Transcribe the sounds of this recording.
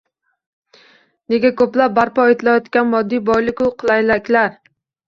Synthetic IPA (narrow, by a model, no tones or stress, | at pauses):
neɡʲakʲɵplap̚baɾpʰɒet̪lajɒt̪kʲanmɒd̪ːijbɒjlˠɪkʲʊqʰɨlˠajlakʲlaɾ